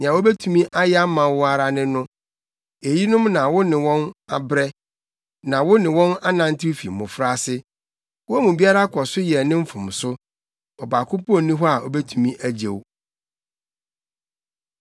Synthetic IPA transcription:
ñ˨ã˨wo˦be˦tʰu˦mĩ˦ʔa˦jɛ˦a˦mã˨wʊ˦a˦ɾa˦nɪ̃˦nʊ̃˦ | e˨ji˦nʊ̃˦mnã˨wʊ˦nɪ̃˨wɔ̃˦na̰˨bɾɛ˦ | nã˨wʊ˦nɪ̃˨wɔ̃˦na˦nã˨n̩˦tʰɪ˦fḭ˨mʊ̃˨fɾa˦sɪ˦ | wʊ˦æ˦mũ˨bi˦a˦ɾa˦kʰɔ˨sʊ˦jɛ˨nɪ̃˦m̩˦fʊ̃˨m˨sʊ˦ | ɔ˨ba˨kʰʊ̃˦pʰɔ˦nĩ˦ɦɔ˦a˨ʔɔ˨bɛ˦tʰu˦mĩ˦ʔæ˦d͡ʑḛ˨w

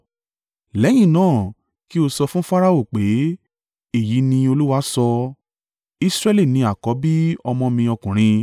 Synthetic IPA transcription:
lɛ˨˦j̃ĩ˦˨nãː˦˨ | ki˦o˧sɔ˧fũ˦fa˦ɾa˦o˦˨k͡pe˨˦ | e˦˨ji˨˦nĩ˧o˧lu˦wa˦sɔ˧ | i˦sɾɛ˦li˦˨nĩ˧a˨kɔ˨˦bi˦ɔ˧mɔ̃˧mĩ˧ɔ˧kũ˨ɾ̃ĩ˧

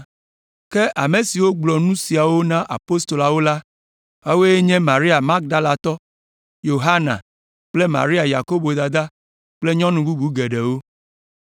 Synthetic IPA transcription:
ke˦ʔa˨me˨si˨wo˦ɡ͡blɔ˨nũ˦si˨a˨wo˦nã˦ʔa̰˨po˦st̪o˨la˨wo˦la˦ | a˦we˦je˦ɲɛ̃˦mã˨ɾi˦a˨ma˦k̚d̪a˦la˨t̪ɔ˦ | jo˨ɦa˦nã̰˨ | k͡ple˦mã̰˨ɾi˦a˨ja˨ko˦bo˨d̪a˨d̪a˦ | k͡ple˦ɲɔ̃˦nũ˨bu˦bu˦ɡe˨ɖe˨wo˦

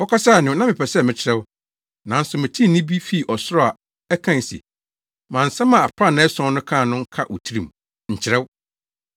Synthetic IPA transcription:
wɔ˦kʰa˦sa˦˨nɪ̃˨˦nã˦mɪ̃˨pʰɛ˨sɛ˦˨mɪ̃˨t͡ɕʰɪ˨ɾɛ˦w | nã˨n̩˦sʊ˨mɪ̃˨tʰĩ˦nɪ̃˦bi˦fi˦˨ʔɔ˨sʊ˦ɾɔ˦a˨ | ɛ˦kʰã˦n˨sḭ˨ | mã˨n̩˨sɛ̃˦mã˨a˨pʰa˦˨nã˨˦ɛ˦sɔ̃˦nʊ̃˦kʰãː˦˨nʊ̃˦ŋ̩˦kʰa˦ʔo̰˨tʰi˦ɾĩ˨m | ɲ̩˨t͡ɕʰɪ˨ɾɛ˦w

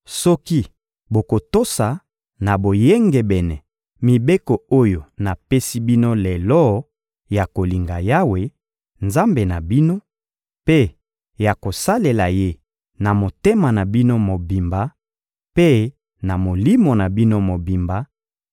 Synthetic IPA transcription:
sɔ˦ki˦ | bo˨ko˨to˦sa˨ | na˨bo˨je˦ŋɡɛ˨bɛ˨nɛ˨ | mi˨be˦kɔ˨o˦jo˨na˨pe˦si˦bi˦no˦lɛ˨lɔ˦ | ja˨ko˨li˨ŋɡa˨ja˦we˨ | nza˦mbe˨na˨bi˦no˦ | pe˦ | ja˨ko˨sa˦le˨la˨je˦ | na˨mo˨te˦ma˨na˨bi˦no˦mo˨bi˨mba˨˦ | pe˦ | na˨mo˨li˦mo˨na˨bi˦no˦mo˨bi˨mba˨

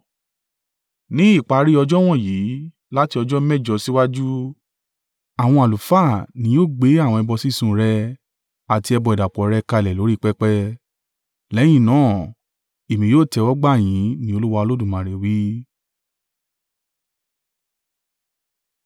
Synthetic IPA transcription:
nĩ˦i˦˨k͡pa˨˧˦ɾi˦ɔ˧d͡ʒɔ˦w̃ɔ̃˦˨jiː˨˦ | la˦ti˧ɔ˧d͡ʒɔ˦mɛ˦˨d͡ʒɔ˧si˦wa˦d͡ʒu˦ | a˨w̃ɔ̃˧a˨lu˨fa˦˨nĩ˨˦jo˦˨ɡ͡be˨˦a˦˨wɔ̃˧ɛ˧bɔ˧si˦˨sũ˦˧ɾɛ˧ | a˨ti˧˦ɛ˧bɔ˧i˨da˨k͡pɔ˨˦ɾɛ˧ka˧i˨lɛ˨lo˨˦ɾi˦˧k͡pɛ˦k͡pɛ˦ | lɛ˨˦j̃ĩ˦˨nãː˨˦˨ | e˨mĩ˨joː˦˨tɛ˧wɔ˦ɡ͡ba˦˨j̃ĩ˨˦nĩ˦o˧lu˦wa˧o˧lo˦dũ˦˨mã˨ɾe˨wi˦

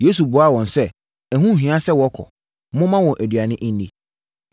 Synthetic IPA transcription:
je˦s̬u˨bʊ˨˦a˦˨wɔ̃˨nsɛ˦ | æ˨ɦũ˦˨ɦᶣĩ˨˦ã˦sɛ˦wɔ˨˦kʰɔ̰˨˦ | mʊ̃˦mã˦wɔ̃˨ʔæ˨dɥa˨nɪ̃˦ʔn˦dḭ˨

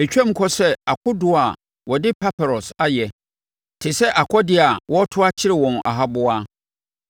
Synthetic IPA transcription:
e˨t͡ɕᶣɛ˦m̩˦kʰɔ˦sɛ˦a˨kʰʊ˦dʊ˦a˨ | wɔ˨dɪ˦pʰa˦pʰa˨ɾɔ˨sa˦jɛ˨ | tʰɪ˨sɛ˦ʔa˨kʰɔ˦dɪ˦a˨wɔ˦tʰʊ˦a˦t͡ɕʰɪ˦ɾɪ˨wɔ̃˨na̰˨ɦa˦bʊ˦aː˦

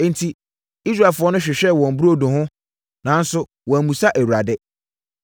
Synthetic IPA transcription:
n̩˦tʰi˨ | i˦s̬ɾa˨lfʊ˨˦ɔ˦nʊ̃˦ɕᶣɪ˨ɕᶣɛ˦˨wɔ̃˨m˨bɾo˦dʊ̃˨hʊ̃˦ | nã˨˦n˦sʊ˦ | wɔ̃˨æ˨mũ˨sa˦ʔæ˨wu˨ɾa˨dɛ˦

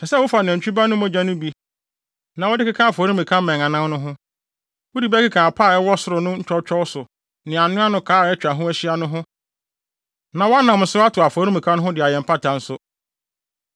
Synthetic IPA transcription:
sɛ˨sɛ˦wʊ˦fa˨nã˨t͡ɕᶣu˦ba˦nʊ̃˦mɔ̃˦d͡ʑã˦nʊ̃˦bi˨ | nã˨wɔ˦dɪ˦kɪ˦kʰã˦a˨fɔ˨˦ɾĩ˦mĩ˨kʰã˦mɛ̃˨ŋã˨nã˦nʊ̃˦ɦʊ̃˦ | wʊ˦di˨bɛ˦kɪ˦kʰã˨a˨pʰaː˦˨ɛ˦wɔ˦sʊ˦ɾʊ˨nʊ̃˦ɲ̩˦t͡ʃᶣɔ˦t͡ɕʰᶣɔ˦wsʊ˨ | nɪ̃˨a˨nʊ̃˦a˦nʊ̃˦kʰaː˦˨ɛ˦t͡ɕᶣa˨ɦʊ̃˦æ˦ɕi˦a˦nʊ̃˦ɦʊ̃˦ | nã˨wɔ˦a˦nã˨mn̩˨sʊ˦a˦tʰʊ˨a˨fɔ˨˦ɾĩ˦mĩ˨kʰã˦nʊ̃˦ɦʊ̃˦dɪ˨a˨jɛ˨m̩˨pʰa˦tʰã˨n̩˦sʊ˦

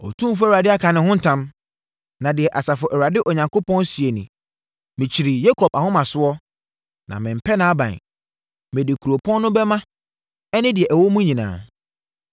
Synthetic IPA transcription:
ɔ̰˨tʰũ˦f̬ʊ˦wɾa˨dɪ˦a˦kʰa˨nɪ̃˨hʊ̃˦n̩˦tʰã˦m | nã˨dɪ˨ɛ˨ʔa˨sa˨fʊ˨ʔɛ˨wɾa˨dɪ˦ʔɔ˨ɲã˨ŋko˦pɔ̃˦n˦si˨e˨nĩ˨ | mɪ̃˨t͡ɕʰi˨ɾi˨je˦kʰɔ˨ba˨hʊ̃˦mã˨sʊ˦ɔ˦ | nã̰˨mɪ̃˨m̩˨pʰɛ˦nã˨˦a˦bã̰˨n˨ | mɪ̃˨dɪ˨kʰu˨ɾo˨pʰɔ̃˦nː˦ʊ̃˦bɛ˦mã˦ | ɛ˦nɪ̃˦dɪ˨ɛ˨ʔɛ˨wo˦mũ˦ɲĩ˨nã̰ː˨

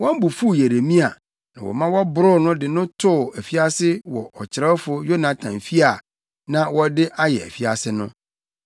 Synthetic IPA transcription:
wɔ̃˦m˦bu˨fu˦˨je˨ɾe˨mĩ˦a˨ | nã˨wʔɔ̰˨mã˦wɔ˦bʊ˦ɾʊ˦nʊ̃˦dɪ˨nʊ̃˦tʰʊ˦˨æ˨fi˦a˦sɪ˦wɔ˨ʔɔ˨t͡ɕʰɪ˨ɾɛ˦fʊ˦jo˦nã˨tʰã˨mfi˦a˨ | nã˨wɔ˦dɪ˦ʔa˦jɛ˨æ̰˨fi˦a˨sɪ˦nʊ̃˦

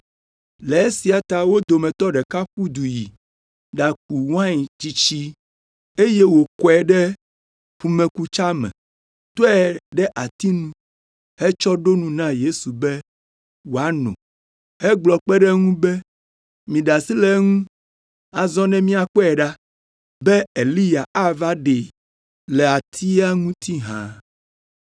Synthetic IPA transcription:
lɛ˨e˦si˨a˨t̪a˨wo˦d̪o˨mɛ̃˨t̪ɔ˦ɖɛ˨ka˦ɸu˦d̪u˨ji˨ | ɖa˨k̚u˨wã˦˨d͡ʑi˦t͡ɕi˦ | e˦je˦wo˨kɔ˨˦ɛ˨ɖɛ˦ | ɸu˨mɛ̃˨ku˦t͡ʃa˦mɛ̰̃˨ | t̪o˦ɛ˦˨ɖɛ˦ʔa˨t̪i˦nũ˦ | hɛ˦t͡ʃɔ˦ɖo˦nũ˨nã˦je˦su˨bɛ˦ | wo˨a˦nɔ̰̃˨ | he˦ɡ͡blɔ˨k͡pɛ˦ɖɛ˦ŋũ˦bɛ˦ | mĩ˨ɖa˨si˦lɛ˦ŋũ˦ | a˨zɔ̃˦nɛ̃˦mĩ˦a˨k͡pɔ˦ɛ˨ɖa˦ | bɛ˦e˨li˦ja˨ʔa˦va˦ɖe˨ | lɛ˨a˨t̪ʰi˦a˦ŋũ˦t̪ʰi˦ɦã̰˨

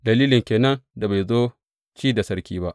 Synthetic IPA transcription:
dɐ˨liː˦lɪ˨ŋkʲeː˨nɐ˦nda˨ba˨jzoː˦ | t͡ʃiː˦da˨sɐ˦ɾkʲiː˦ba˦ʔ

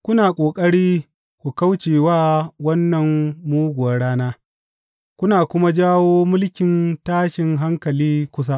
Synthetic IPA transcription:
kʷʊ˦naː˨kʷʼoː˨kʼɐ˦ɽiː˦ | kʷu˨kɐ˦wt͡ʃeː˨waː˦wɐ˦nːɐ˨ŋːuː˦ɡʷʊ˨wɐ˦ɽaː˦naː˦ | kʷʊ˦naː˨kʷʊ˦ma˦d͡ʒaː˦woː˦mʊ˦lkʲɪ˨ntaː˦ʃɪ˨ŋɦa˦ŋkɐ˨liː˦kʷʊ˦s̬a˦ʔ

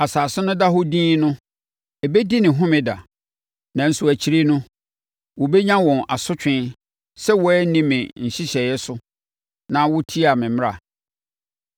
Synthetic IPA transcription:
a˨saː˨sʊ˦nʊ̃˦da˦ɦo˦dĩː˦nʊ̃˦ | ɛ˨be˦di˦nɪ̃˨ɦʊ̃˦mɪ̃˨da̰˨ | nã˨n̩˨su˨æ˨t͡ɕʰi˦ɾi˦nʊ̃˦ | wɔ˨bɛ˦ɲã˦wɔ̃˨na˨sʊ˦t͡ɕᶣɪ̃˦n | sɛ˦wɔ˦ɛ˦nĩ˦mɪ̃˨ɲ̩˨ɕɪ˦ɕɛ˨jɛ˦sʊ˦ | nã˦wʊ˦tʰi˦a˨mɪ̃˨m˦ɾa̰˨

